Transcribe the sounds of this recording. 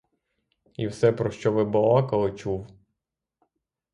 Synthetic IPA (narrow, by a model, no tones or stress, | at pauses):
iwsɛpɾɔʃt͡ʃɔʋɪbɔlˠɑkɐɔt͡ʃuw